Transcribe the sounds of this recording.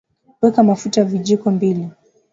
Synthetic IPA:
wɛkamafutaviʄikɔmbili

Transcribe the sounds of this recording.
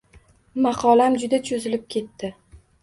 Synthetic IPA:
mɑqʰɒlamd͡ʒʊd̪at͡ʃʰʊzɪlɪp̚kʲʰe̞t̪ːɪ

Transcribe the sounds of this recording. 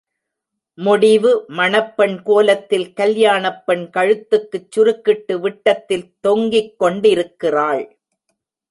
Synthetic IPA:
mʊɽɪʋɯmɐɳɐpːɛɳkoːlɐt̪ːɪlkɐljaːɳɐpːɐɳkɐɻɯt̪ːɯkːɯt͡ʃːʊɾɯkːɪʈːɯʋɪʈːɐt̪ːɪlt̪ɔŋɡɪkːɔɳɖɪɾɯkːɪraːɭ

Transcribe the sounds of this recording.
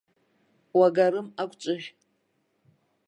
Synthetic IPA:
waɡaɾɨmakʷʼt͡ʃʷʼɨʒʲ

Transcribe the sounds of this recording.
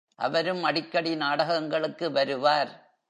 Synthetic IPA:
ʔɐ̰ʋɐɾɯmɐɽɪkːɐɽinaːɽɐɣɐŋɡɐɭɯkːɯʋɐɾɯʋaːɾ

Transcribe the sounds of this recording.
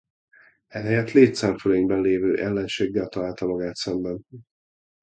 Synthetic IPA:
ɛɦɛjɛt̪leːt̪saːmføleiŋbɛnleːvøːʔɛlːɛnʃeːɡːɛlt̪ɒlaːlt̪ɒloɡaːt̪sɛmbɛn

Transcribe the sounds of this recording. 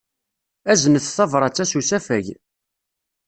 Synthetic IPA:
æzənəθθɑvɾˤɑt͡sːæsusæfæʝ

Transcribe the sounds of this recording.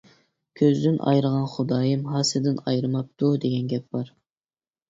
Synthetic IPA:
kʲʰøzd̪ɪnʔɑ̰jɾəʁɑnχʊd̪ɑːjɨmɦɑsɨd̪ɪnɑjɾɨmɑp̚t̪ʰud̪eɡʲɛnɡʲɛp̚b̥ɑɾ

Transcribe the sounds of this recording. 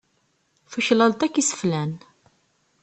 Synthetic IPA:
fuçlɑlt̪ækːisə̥flæn

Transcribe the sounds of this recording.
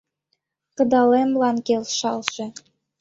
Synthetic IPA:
kɤ̆d̪ɑlemlˠɑnkelʃɑlˠʒĕ

